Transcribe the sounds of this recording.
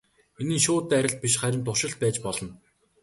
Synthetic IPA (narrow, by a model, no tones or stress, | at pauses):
enĭːnʃʊːt̪ːæɾʲɪ̆ɬt̪̚pʲiʃχæɾʲɪ̆mt̪ʰʊrʃɪ̆ɬt̪̚pæːt͡ɕpɔɮɞ̆n